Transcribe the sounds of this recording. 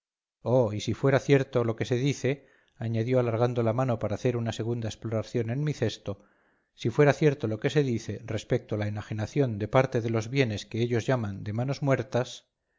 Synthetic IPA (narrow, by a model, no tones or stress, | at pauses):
oisifwe̞ɾaθje̞ɾt̪o̞lo̞ke̞se̞ðiθe̞ | aɲaðjoalaɾɣand̪o̞lamano̞paɾaːθe̞ɾunase̞ɣ̞und̪aesploɾaθjo̞ne̞nmiθe̞st̪o̞ | sifwe̞ɾaθje̞ɾt̪o̞lo̞ke̞se̞ðiθe̞re̞spek̚t̪oalaenaxenaθjo̞nd̪e̞paɾt̪e̞ðe̞lo̞zβje̞ne̞ske̞eʎo̞zʝamand̪e̞mano̞zmwe̞ɾt̪as